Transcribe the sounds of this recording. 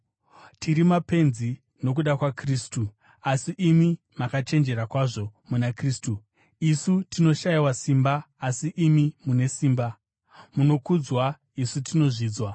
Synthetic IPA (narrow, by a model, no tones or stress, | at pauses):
tiɾimape̞nzi | no̞k̬uɗakwakriːstu | asiʔimi | makat͡ʃe̞nd͡ʒe̞ɾakwaʐo̞munakriːstu | isutino̞ʃaiwasimbaː | siʔimimune̞siːmba | muno̞kud͡zwa | isutino̞ʐiːd͡zwa